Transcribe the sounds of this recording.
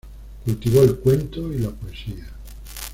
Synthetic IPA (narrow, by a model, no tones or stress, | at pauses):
kult̪iβoelkwent̪oilapoesia